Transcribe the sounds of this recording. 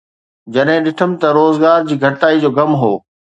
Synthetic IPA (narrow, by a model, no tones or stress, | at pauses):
d͡ʑɐɗɦɪ̃ɗɪʈʰəmɪ̆t̪ɐɾoːzɡaːɾd͡ʑiːɡʱɐʈaːid͡ʑoːɡɐmɦoː